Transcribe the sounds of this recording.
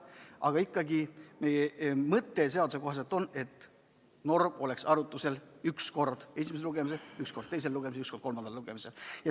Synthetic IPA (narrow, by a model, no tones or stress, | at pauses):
ʔɑɡ̥ɑikːɑɡime̞jemɤt̪ːe̞s̬e̞ɑd̪use̞ko̞ɦɑs̬et̪ːˑo̞nːe̞t̪ːˑ | no̞rmo̞le̞ksɑɾut̪ːˑuse̞lyksko̞rd̪̥e̞simesluɡ̥e̞mise̞lyksko̞rd̥̪t̪e̞js̬e̞lːuɡ̥e̞misyksko̞rd̥̪komɑnd̪ɑlluɡ̥e̞mise̞ljɑ